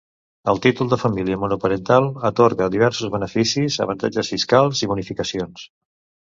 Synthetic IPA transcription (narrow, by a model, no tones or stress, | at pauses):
əlˠt̪it̪ulˠd̪əfəmiliəmunupəɾənt̪alˠət̪oɾɣəðiβɛɾsuzβənəfisizə̰βənt̪a̰d͡ʒəsfiskalˠziβunifikəsions